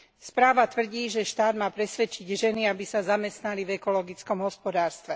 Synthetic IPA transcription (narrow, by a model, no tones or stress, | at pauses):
spɾaːʋat̪ʋr̩ɟiːʒɛʃt̪aːd̪maːpɾɛsʋɛt͡ʃiɟʒɛniabisazamɛst̪nalivɛkɔlɔɡit͡skɔmɦɔspɔd̪aːɾst̪ʋɛ